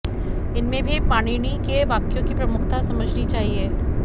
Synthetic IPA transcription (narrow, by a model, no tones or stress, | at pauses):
ɪnmẽbʱipaːɽ̃iɽ̃ikeʋaːkjõkipɾɐmʊkʰt̪asɐməd͡ʒʱnit͡ʃaːɦieː